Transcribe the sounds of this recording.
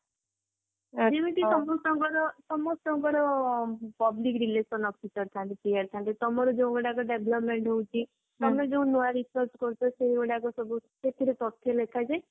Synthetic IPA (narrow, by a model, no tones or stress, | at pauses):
d͡ʒebiɳʈiɔmɔsɔŋɡɔɾɔsɔmɔstɔŋɡɔɾɔ | pɔblikɾilesɔnɔfʰisɔɾt̪ʰãnt̪ipiaɾt̪ʰãnt̪it̪ɔmɔɾɔd͡ʒeũɡɔɽakɔɖebʱlɔpmeɳʈɦoũt͡ʃʰi | t̪ɔmed͡ʒeũnoaɾisɔɾskɔɾt͡ʃʰɔseɦiɡɔɽakɔsɔbuset̪ʰiɾet̪ɔt̪ʰːjɔlekʰad͡ʒaj